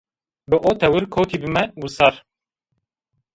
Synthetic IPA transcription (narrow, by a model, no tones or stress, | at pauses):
bɨʔoːt̪ʰɛwɨɾkʰoːt̪ʰiːbɨmɛwusɑɾ